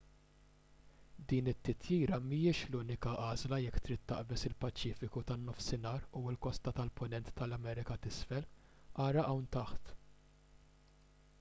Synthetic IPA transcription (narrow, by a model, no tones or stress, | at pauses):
d̪iːnɪt̪ːɪt̪ʰjiːɾɐmijɪʃluːnɪkɐʔɐːzlɐjɛkːt̪ɾiːt̪ːɐ̰ʔbɛsɪlpɐt͡ʃiːfɪkut̪ɐnːɔfsɪnɐːɾuɪlkɔst̪ɐt̪ɐlpʊnɛnt̪ːɐlɐmɛːɾɪkɐt̪ɪsfɛl | ʔɐːɾɐʔɐwnt̪ɐħt̪